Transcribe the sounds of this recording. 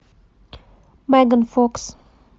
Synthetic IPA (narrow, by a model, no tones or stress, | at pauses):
maɡənfɔks